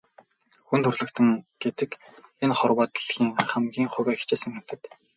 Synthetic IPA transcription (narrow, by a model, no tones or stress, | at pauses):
xunt̪ʰɵrɮɘ̆kt̪ʰɘ̆ŋɡ̥et̪ɘ̆kenχɔrwaːt̪̆ɮxiːŋχæmɡʲiːŋχʊwʲæːxt͡ɕeːsɘ̆ŋxe̥t̪ɘ̆k̪